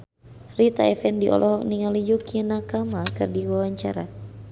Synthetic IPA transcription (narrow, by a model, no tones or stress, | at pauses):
rit̪a̰ɛfɛndiʔɔ̰lʔɔɦɔkniŋalijukinakamakɨrdiwawaɲt͡ʃaɾa